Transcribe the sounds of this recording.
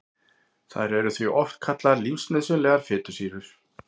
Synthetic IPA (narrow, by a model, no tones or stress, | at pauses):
θa̰ðɾɛɾʏθviʔɔft̪kʰat̪lalimsnɛðsʏnlɛːɣaɾ̥fɪːt̪ʏ̥siːvʏɾ̥